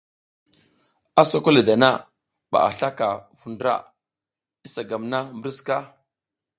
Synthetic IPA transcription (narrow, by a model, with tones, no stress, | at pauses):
a˦so˦ko˦li˨da˨na˦ | ɓa̰˨a̰˨ɬa˦ka˨vu˨ndɾa̰˦ | i˦sa˨ɡa˨mna˦mbɾi˦ska˦